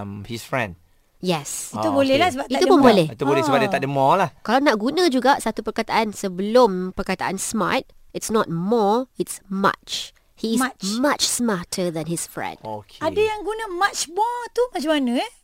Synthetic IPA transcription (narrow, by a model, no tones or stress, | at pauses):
mhisfɹɛ̰̃nd | jɛsit̪ubolɛhlahsəbaitaupunbolɛhit̪ubolɛsəbadət̪aʔ̚dəmɔlahkalanaʔ̚ɡunə̃d͡ʒuɡaʔsat̪upərkat̪aʔansəbəlʊmpərkat̪aʔansma̰t̚ɪtsnɔt̚mɔɪtsma̰t͡ʃ | hismat͡ʃsmatʰəd̪ɛ̃nhisfɹɛ̰̃ndokadajaŋɡunəmat͡ʃbɔt̪umãt͡ʃəmanə̃